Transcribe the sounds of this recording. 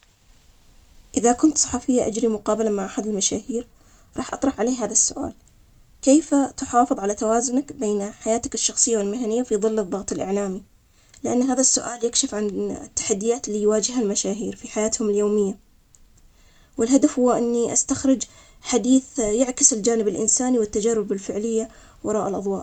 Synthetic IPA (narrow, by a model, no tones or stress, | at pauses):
ʔɪðakʊnt̪sˤɑ̥ħɑfɪjːaʔad͡ʒɾimʊqɑːbalamaʕʔaħad̪ɪlmaʃaːhiːɾ | ɾˤɑːħʔɑt̪ˤɾˤɑħʕaleːɦaːðasːʊʔa̰ːl | keːfat̪ʊħɑːfɨðˤʕalat̪awaːzʊnakbeːnħajaːt̪akɪʃːɑxsˤɨjːawɪlmɪɦanɪjːafiðˤɨlːɨðˤːɑɣt̪ˤɪlʔɪ̰ʕlaːmi | lɪʔanːɦaːðasːʊʔaːljakʃɪfʕant̪ːḁħad̪ːɪjaːt̪lːijwaːd͡ʒɪhalmaʃaːɦiːɾfiħajaːt̪hʊmɪljoːmɪjːa | wɪlɦad̪afhʊːaʔɪnːiʔast̪axɾɪd͡ʒ | ħad̪iːθjaʕkɪsɪld͡ʒaːnɪbɪlʔɪ̰nsaːniwɪt̪ːad͡ʒarːʊbɪlfɪʕlɪjːa | wɑɾˤɑːʔalʔɑðˤwɑːʔ